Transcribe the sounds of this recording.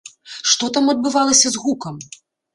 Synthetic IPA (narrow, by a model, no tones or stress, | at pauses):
ʂt̪ɔt̪amɐd̪̚bɨvalˠɐsʲɐzɣukɐm